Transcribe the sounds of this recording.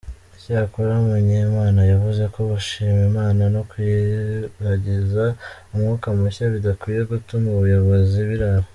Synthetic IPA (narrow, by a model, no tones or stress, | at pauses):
icaːkuɾamuɲemaːnajavuze̞ko̞βuʃiːmimaːnano̞kwiɾaɟizaumŋuːkamuçaβidakwije̞ɡutumuβujo̞βo̞ziβiɾaɾo